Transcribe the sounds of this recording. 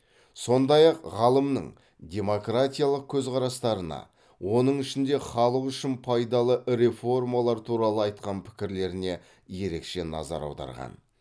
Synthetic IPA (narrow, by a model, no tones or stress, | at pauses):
so̞nd̪ɑjɑqʁɑlˠəmnə̰ɴ | d̪ʲe̞mo̞krat̪ʲijalˠəq̚kʲʰɵzqʰɑɾɑst̪ɑɾənɑ̰ | wo̞nəɴɪʃɪnd̪e̞χɑlˠəqʏʃɪnpʰɑjd̪ɑlˠəɾe̞fo̞rmalˠɑɾt̪ʰuɾɑlˠəɑjt̪̚qɑnpʰɪ̥kʲɪɾle̞ɾɪne̞ | je̞ɾe̞kʃe̞nɑ̰zɑ̰ɾɑ̰wd̪ɑ̰ɾʁɑ̰n